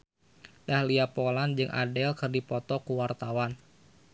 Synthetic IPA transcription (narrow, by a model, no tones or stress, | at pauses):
dahliapoland͡ʒɨŋʔa̰dɛlkɨrdipɔt̪ɔkuwart̪awan